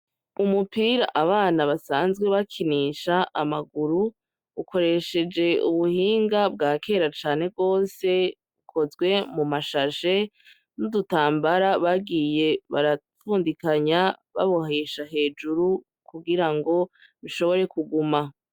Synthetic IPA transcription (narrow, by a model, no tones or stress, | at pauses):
umupiːɾa̰ʔaβaːnaβasaːnzɡwe̞βakʰiniʃaamaɡuɾu | ukʰo̞ɾe̞ʃe̞d͡ʒe̞ṵβuhiːŋɡabɡaːkʰe̞ːɾat͡ʃaːne̞b̚ɡo̞ːse̞ | βukʰo̞zɡwe̞mumaʃaʃe̞ | nudutaːmbaɾaβaɡije̞βaɾafuːndikaɲaβa̰βo̞ɦe̞ʃaɦe̞ːd͡ʒuɾu | kuɡiɾaŋɡo̞βiʃo̞βo̞ɾe̞kuɡuma